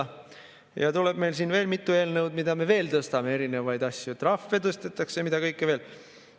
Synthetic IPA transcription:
jɑt̪uleb̥me̞jlsiːnve̞ːlmit̪ːˑue̞ːlnɤwd̪mid̪ɑme̞ve̞ːlt̪ɤst̪ɑme̞e̞ɾine̞vɑjd̪ɑsʲjut̪rɑfːet̪ɤst̪et̪ˑːɑksemid̪ɑkɤjkːeve̞ːl

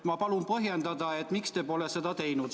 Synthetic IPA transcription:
mɑpɑlunpɤɦjend̪ɑd̪ɑe̞t̪ːˑmikst̪eːpo̞lese̞d̪ɑt̪e̞jnud̪

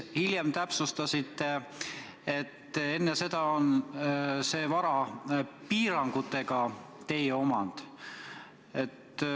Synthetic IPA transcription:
hilʲjemt̪æpsust̪ɑsit̪ːˑe | e̞t̪ːe̞nːese̞d̪ɑon | se̞ːvɑɾɑpiːɾɑŋɡ̥ut̪ːˑe̞ɡ̥ɑ | t̪e̞jeo̞mɑnd̪̥ | e̞t̪ː

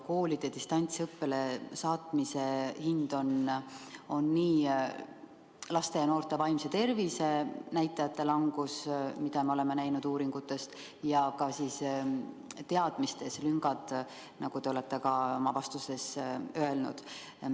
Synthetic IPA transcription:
ko̞ːlid̪̥ed̪̥ist̪ɑnʲt̪sɤpːe̞le̞sɑːt̪ˑmise̞hind̪̥o̞n | o̞nːiː | lɑst̪e̞jɑno̞ːrt̪ˑe̞vɑjmse̞t̪e̞rvise̞næjt̪ˑːɑjɑt̪ːˑe̞lɑŋɡ̥usmid̪̥ɑmeo̞le̞me̞næjnud̪̥uːɾiŋɡ̥ut̪ːˑe̞st̪ | jɑkɑsiːs | t̪e̞ɑd̪̥mist̪e̞slyŋɡ̥ɑd̪̥ | nɑɡ̥ut̪e̞o̞le̞t̪ːe̞kɑo̞mɑvɑst̪use̞søe̞lnṵd̪̥

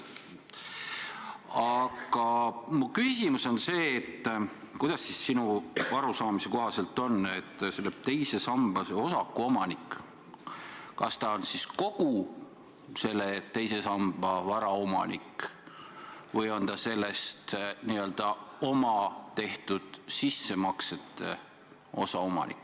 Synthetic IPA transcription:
ɑɡ̥ɑmukysʲimuso̞nse̞ːt̪ː | kujd̪̥ɑsːisːinuvɑɾusɑːmise̞ko̞ɦɑse̞lt̪ːˑo̞nːet̪ːselːeb̥̚t̪e̞jse̞sɑmb̥ɑseo̞sɑkːˑuo̞mɑnikːˑ | kɑst̪ɑo̞nsisko̞ɡ̥u | se̞lːet̪e̞jse̞sɑmb̥ɑvɑɾɑomɑ̰nik | vɤjo̞nt̪ɑse̞lːe̞st̪niø̞ld̪̥ɑo̞mɑt̪e̞ht̪ud̪̥sisːe̞mɑkset̪ːe | o̞̰sɑo̞mɑ̰nḭkːˑ

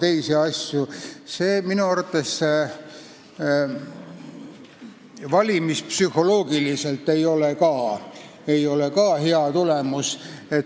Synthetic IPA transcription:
t̪e̞jseɑsʲjuseːminuɑrt̪ːˑesːe | vɑlʲimispsyho̞lo̞ːɡilise̞lt̪ːˑe̞jo̞lekɑː | e̞jo̞lekɑːheɑt̪ule̞muse̞t̪

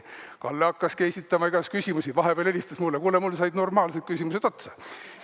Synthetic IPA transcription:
kɑlːeɑkːɑskesʲit̪ːˑɑmɑiɡ̥ɑskysʲimusivɑɦeb̥eːlelʲist̪ɑsmulːekuːlemulːsɑjd̪no̞rmɑːlse̞d̪̥̚kysʲimused̪o̞t̪sɑ̥

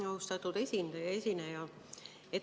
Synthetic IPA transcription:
ɑust̪ɑt̪ːˑud̪esʲind̪̥ɑjɑesinæjɑ | et̪

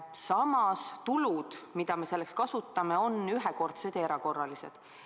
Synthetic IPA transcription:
sɑmɑst̪ulud̪̥mid̪̥ɑme̞se̞lːe̞kskɑsut̪ːˑɑme̞o̞nyɦɛko̞rt̪sed̪eɾɑko̞rːɑlise̞̰d̪̥

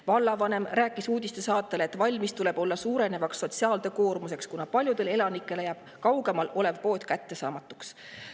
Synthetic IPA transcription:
vɑlːɑvɑne̞mræːkːˑisuːd̪̥ʲist̪e̞sɑːt̪ˑːe̞leet̪ːˑvɑlʲmist̪ule̞b̥o̞lːɑsuːɾe̞ne̞vɑksːo̞t̪siɑːld̪̥e̞ko̞ːrmuse̞kskunɑpɑlʲjud̪̥e̞le̞lɑnikːˑe̞lejæːb̥ | kɑwɡ̥e̞mɑlo̞le̞vpo̞ːt̪kæt̪ːe̞sɑ̰ːmɑt̪ːˑu̥ks

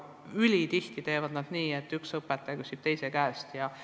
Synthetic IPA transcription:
ylʲit̪iht̪it̪e̞ːvɑd̪̥nɑd̪̥niːet̪ːˑyksɤpːˑɛt̪ːeɡusib̥̚t̪e̞jsekæːst̪jɑ

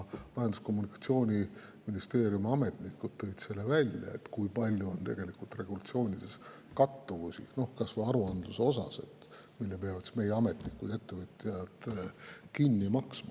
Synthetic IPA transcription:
vɑɦend̪̥usko̞mːunikˑɑ̥t̪sio̞ːnʲi | minist̪e̞ːɾjumɑme̞t̪nikːˑud̪̥̚t̪ːɤ̞jd̪se̞lːevælʲjɑ̰e̞̰t̪kujpɑlʲjuo̞nt̪e̞̰ɡ̥e̞likult̪re̞ɡ̥ulɑt̪sio̞ːnʲid̪̥e̞s | kɑt̪ːuvusʲḭno̞hkɑsvɤjɑɾuɑnd̪luseo̞sɑ̰se̞̰t̪ːmilːepe̞ɑvɑt̪sme̞jeɑme̞t̪nikːˑṵd̪e̞t̪ːe̞vɯt̪ʲˑːijɑd̪̥ | kinːimɑksmɑ

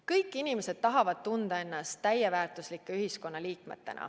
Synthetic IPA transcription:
kɤjkːˑinime̞se̞d̪̥̚t̪ɑɦɑvɑd̪̥̚t̪und̪̥ɑe̞nːɑst̪æjevæːrt̪ˑuslikːˑe̞yɦisko̞nːɑliːkme̞̰t̪ːˑe̞̰nʔɑ̰

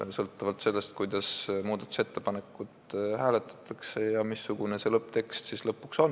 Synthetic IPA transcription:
sɤlt̪ːˑɑvɑlt̪se̞lːe̞st̪̚kujd̪̥ɑsmuːd̪̥ɑt̪ːˑu̥se̞t̪ːe̞pɑne̞kːˑud̪hæːle̞t̪ːˑɑ̥t̪ʰːˑɑkse̞jɑmisːuɡ̥une̞se̞lɤpːˑt̪e̞kst̪sislɤpːukso̞n

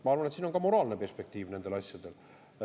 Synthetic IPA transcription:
mɑɑrɾvɑnet̪siːno̞nɡɑmo̞ɾɑːlne̞pe̞rspe̞k̚t̪iːvne̞nd̪elɑsjɑd̪̥e̞l

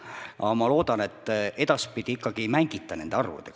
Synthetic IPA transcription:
ʔɑ̰mɑlo̞ːd̪̥ɑne̞t̪ːˑʔe̞d̪ɑspid̪̥ʲiikːɑɡ̥imæŋɡ̥it̪ːˑɑne̞nd̪̥eɑrvṵd̪̥eɡ̥

